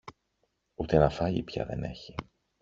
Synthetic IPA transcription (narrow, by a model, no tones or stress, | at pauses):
ut̪enɐfɐʎḭpçɐ̰ðe̞̰ne̞̰çi